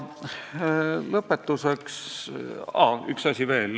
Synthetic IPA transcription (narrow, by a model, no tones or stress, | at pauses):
lɤpːe̞t̪ːuseks | ɑ̰y̰ksɑsʲive̞ːl